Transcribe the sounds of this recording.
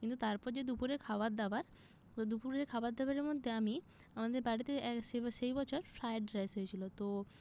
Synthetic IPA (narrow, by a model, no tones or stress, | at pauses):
kint̪ut̪aɾpɔɾd͡ʑed̪upuɾeɾkʰabaɾd̪abaɾ | od̪upuɾeɾkʰaoad̪abaɾeɾmod̪ʱːeami | amad̪eɾbaɽit̪eɛʃeʃejbɔt͡ɕʰoɾfɾajɖɖɾesɦojet͡ɕʰilot̪o